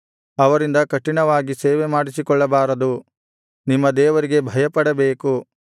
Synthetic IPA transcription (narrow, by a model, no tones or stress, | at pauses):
ɐʋɐɾind̪ɐkɐʈːiɳɐʋaːɡiseːʋemaːɽisikɔɭːɐbaːɾɐd̪u | nimːɐd̪ɛːʋɐɾiɡe̞bʱɐjɐpɐɽɐbeːku